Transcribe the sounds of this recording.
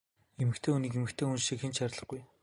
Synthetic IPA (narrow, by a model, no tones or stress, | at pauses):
emɘ̆kt̪ʰeːuniːkemɘ̆kt̪ʰeːunʃiːxɘ̆nt͡ɕʃʰaɾʲɮə̆χɡuj